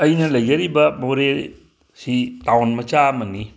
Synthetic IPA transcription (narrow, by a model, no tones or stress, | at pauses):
əjnaləjɡəɾibamoɾe | sit̪awnmɐt͡ʃaməni